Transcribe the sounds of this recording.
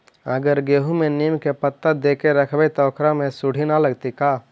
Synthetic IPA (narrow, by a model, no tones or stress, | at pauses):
əɡəɾɡeːɦumẽniːmkepət̪ːəd̪eːkeɾəkʰbet̪ɔːkɾamẽsʊɽ̤ʱinaləɡt̪ikaː